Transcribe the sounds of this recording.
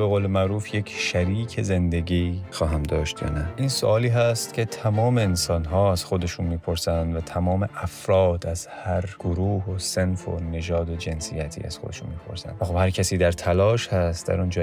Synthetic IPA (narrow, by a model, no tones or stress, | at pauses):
be̞ɣoːlemæʔɾuːfjecʰʃæɾiːcʰe̞ze̞nd̪e̞ɟixɒːɦæmd̪ɒːʃt̪jɒ̰ːnæiːnso̰ʔɒːliːɦæst̪cʲʰe̞t̪ʰæmɒːme̞ːnsɒːnɦɒːæz̥xo̞d̪e̞ʃuːnmiːpʰo̞ɾsænd̪væt̪ʰæmɒːme̞ʔæfɾɒːd̪æz̥hæɾɡ̥oɾuːhosenfo̰ne̞ʒɒːd̪od͡ʒe̞nsijæt̪ʰḭːæ̰z̥xo̞d̪e̞ʃunmiːpʰo̞̰ɾsæ̰nd̪xobhæɾcʰæsiːd̪æɾt̪ʰælɒːʃhæst̪d̪æ̰ɾund͡ʒɒː